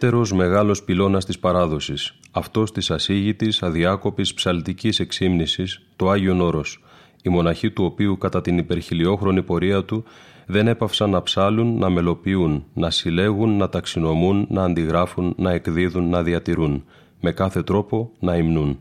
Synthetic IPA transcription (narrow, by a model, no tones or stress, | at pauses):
t̪e̞ɾo̞zme̞ɣɐlo̞spilo̞nɐst̪ispɐɾɐðo̞sisɐft̪o̞st̪isɐsiʝit̪isɐðiɐko̞pispsɐlt̪icise̞ksimnisist̪o̞ɐʝio̞no̞ɾo̞s | imo̞nɐçit̪uo̞piukɐt̪ɐt̪inipe̞ɾçilio̞xɾo̞nipo̞ɾiɐt̪u | ðe̞ne̞pɐfsɐnːɐpsɐlunːɐme̞lo̞piunːɐsile̞ɣunːɐt̪ɐksino̞munːɐːnd̪iɣɾɐfunːɐe̞kðiðunːɐðiɐt̪iɾun | me̞kɐθe̞t̪ɾo̞po̞nɐimnun